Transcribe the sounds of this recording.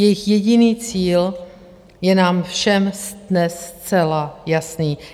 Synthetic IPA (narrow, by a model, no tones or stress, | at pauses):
jɛjɪxjɛɟɪniːt͡siːl | jɛnaːmfʃɛmsdnɛst͡sɛlajasniː